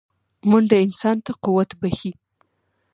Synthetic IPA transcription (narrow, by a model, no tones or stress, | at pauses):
mund̪əɪnsɑnt̪aquwat̪baxi